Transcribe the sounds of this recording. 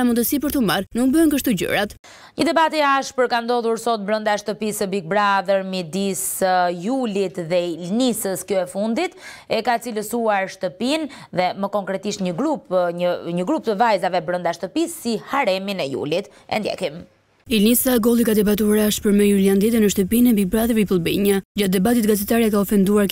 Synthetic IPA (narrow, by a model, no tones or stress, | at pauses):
amund̪əsip̬əɾt̪əmaɾnukbəənkəʃt̪uɟə̰ɾat̪ | ɲəd̪ɛbat̪iaʃpəɾkand̪ɔðuɾsɔt̪̚bɾənd̪aʃt̪əpisəbik̚bɾaðəɾmid̪isjulit̪ðɛilnisəskɔɛfund̪it̪ɛkat͡siləsuaɾʃt̪əpinðɛməkɔŋkɾɛt̪iʃt̪ɲəɡɾupəɲəɡɾup̚t̪əvajzavɛbɾənd̪aʃt̪əpisːihaɾɛminɛjṵlit̪ | ɛ̰nd̪jɛ̰kim | ilnisaɡɔlˠikad̪ɛbat̪uaɾaʃpəɾmɛjuljand̪ɛt̪ənəʃt̪əpinɛbik̚bɾaðəɾmipəlˠbɛɲad͡ʑat̪̚d̪ɛbat̪it̪ɡazɛt̪aɾakaɔfɛnd̪uaɾ